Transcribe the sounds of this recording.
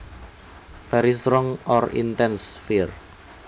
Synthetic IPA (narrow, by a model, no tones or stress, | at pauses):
fɛɾist̪ɾɔŋɔrḭnt̪ɛnsfir